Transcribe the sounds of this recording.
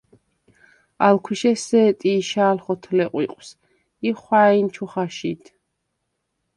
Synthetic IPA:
alkʰwiʃɛsɛːt̪ʼiːʃaːlχɔt̪ʰlɛqʼwḭqʼws | iχwaint͡ʃʰuχaʃit̪ʰ

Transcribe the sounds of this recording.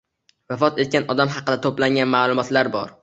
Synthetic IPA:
vafɒt̪e̞t̪̚kʲanɒd̪amɦɑqɨd̪at̪ʰoplaŋɡʲanmaːlˠʊmɒt̪laɾbɒɾ

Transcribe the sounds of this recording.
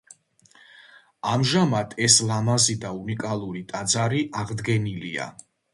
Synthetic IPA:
amʒamat̪ʰɛslamazid̪aunikʼalˠuɾit̪ʼad̪zaɾiʔaʁd̪ɡɛnilḭa̰

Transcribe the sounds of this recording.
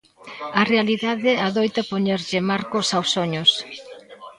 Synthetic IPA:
ɐrealiðaðɪaðojt̪ɐpoɲeɾʎɪmaɾkʊsawsoɲʊs

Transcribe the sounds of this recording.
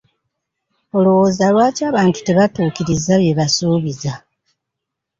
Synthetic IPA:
o̞lowo̞ːzalwaːcaːβaːntu̥te̞βatuːkiɾizaβje̞βasuːβiza

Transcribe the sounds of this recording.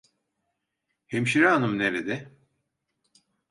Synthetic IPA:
hemʃiɾaanɯmneɾed̪ɛ

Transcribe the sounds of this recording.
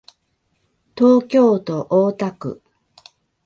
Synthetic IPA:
t̪oːkʲo̞ːt̪o̞ʔoːt̪akɯ̟̰

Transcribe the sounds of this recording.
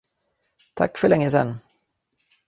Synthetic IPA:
t̪ʰa̰kːfœɭɛŋːəs̬ɛ̰nː

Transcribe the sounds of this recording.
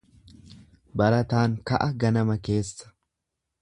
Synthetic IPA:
bɐɾɐt̪aːnkɐ̰ʔɐɡɐnɐmɐke̞ːsːɐ̥

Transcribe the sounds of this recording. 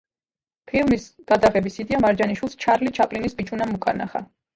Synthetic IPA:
pʰilˠmisɡ̥ad̪aʁɛbisid̪iamaɾd͡ʒaniʃwilˠst͡ʃʰaɾlit͡ʃʰapʼlinisbit͡ʃʼunamukʰaɾna̰χa̰

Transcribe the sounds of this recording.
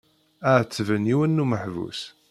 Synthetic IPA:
əʕət͡sːvəniwənːuməħvṵs

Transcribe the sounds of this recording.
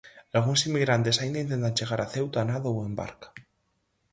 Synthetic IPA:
alɣ̞unsimːiɣɾant̪e̞saind̪aint̪e̞nt̪ant͡ʃe̞ɣ̞aɾʔaθe̞wt̪oanaðowemba̰ɾkḁ

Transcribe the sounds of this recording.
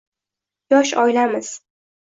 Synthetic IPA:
jɒʃɒjlamɪz̥

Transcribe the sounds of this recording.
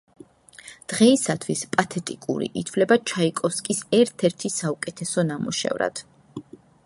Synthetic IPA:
d̪̥ʁɛisat̪ʰwispʼat̪ʰɛt̪ʼikʼṵɾḭʔit̪ʰfvlɛbat͡ʃʰaikʼɔfskʼisɛɾt̪ʰɛɾt̪ʰisaukʼɛt̪ʰɛsɔnamuʃɛ̰vɾa̰d̪̥

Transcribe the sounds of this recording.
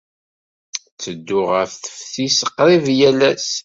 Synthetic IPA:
t͡sːəd̪ːʊʁəfθə̥fθisəqːɾivjælæs

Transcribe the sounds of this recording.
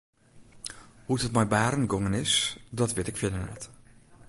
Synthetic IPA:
huthətmɛjbaːɾənɡoŋənɪsdɔtʋɪtɪkfɪnənɛ̰t

